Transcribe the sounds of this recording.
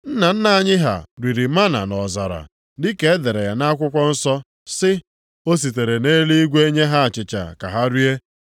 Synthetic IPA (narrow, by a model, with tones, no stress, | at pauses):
n̩˦na˨n̩˦na˨a˨ɲɪ˦ɦa̰˨ɾi˨ɾi˨ma˦na̰˨nɔ˨za̰˨ɾa̰˨ | dɪ˦ke˨e˦de˨ɾe˨ja˨na˦kʷʊ˦kʷɔ˦n̩˦sɔ˦ | sɪ˦ | o˦s̬i˨t̬e˨ɾe˨neː˦li˦i˦ɡʷe˦ɲe˦ɦa˦a˨t͡ʃɪ˨t͡ʃa̰˨ka̰˨ɦa˦ɾi˦e˦